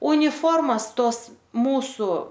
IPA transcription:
ʊnʲɪˈfoːrmɐs ˈtoːs ˈmuːsʊ

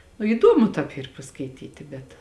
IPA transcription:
nʊ iːˈdoːmʊ tɑːp ˈiːr pɐskɐɪˈtʲiːtʲɪ bʲɛt

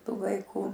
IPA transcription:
ˈtuː ʋɐɪˈkuː

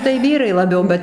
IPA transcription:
tɐɪ ˈʋʲiːrɐɪ lˠɐˈbʲɛʊ ˈbʲɛt

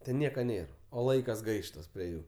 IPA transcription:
tʲɛn ˈnʲiɛkɐ nʲeːr oː ˈlˠɐɪkɐs ˈɡɐɪʃtɐs pʲrʲiɛ ˈjuː

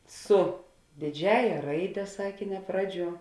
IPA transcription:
ˈsʊ dʲeːˈd͡ʒʲæːjɛ ˈrɐɪdʲɛ ˈsɑːkʲeːnʲɛ ˈprɑːˌd͡ʒʲuɔ

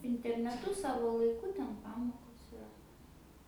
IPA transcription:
ɪnʲtʲɛrʲnʲɛˈtʊ ˈsɑːʋoː lˠɐɪˈkʊ ˈtʲɛn ˈpɑːmoːkoːs ɪˈrɐ

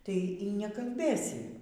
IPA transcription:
tɐɪ iː nʲɛkɐlʲˈbʲeːsʲɪ

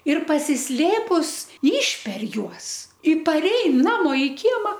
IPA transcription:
ɪr pɐsʲɪsʲˈlʲeːpʊs ˈiːʃʲpʲɛr ˈjuɔs ɪ pɐˈrʲɛɪn ˈnɑːmoː ɪ ˈkʲiɛmɐ

